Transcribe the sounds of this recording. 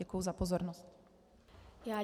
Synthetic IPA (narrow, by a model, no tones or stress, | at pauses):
ɛkujuzapozoɾnost̪ | jaː